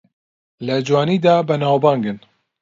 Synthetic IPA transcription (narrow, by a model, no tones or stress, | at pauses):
ləd͡ʒwɑːniːd̪ɑːbənaːwbɑːŋɡɨn